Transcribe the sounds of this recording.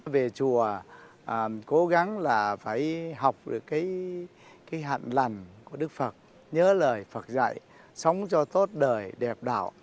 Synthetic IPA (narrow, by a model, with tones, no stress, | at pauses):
ve˨˩t͡ɕu˨˩ə˨˩ | ko˨˦ɣa˨˦ŋlaː˨˩faː˧˩jɦa˨˩wk͡p̚ɗɨ̰˨˩əkːaː˨˦j | kaː˨˦jɦa̰ː˧˨nla˨˩ŋku˧˩əɗɨ˦˥k̚fə˨˩t̚ | ɲəː˨˦ləː˨˩jfə˨˩t̚za̰˧˨j | sə˨˦wŋ͡mt͡ɕɔ˧t̪o˦˥t̚ɗəː˨˩jɗɛ˨˩p̚ɗa̰ː˧˨w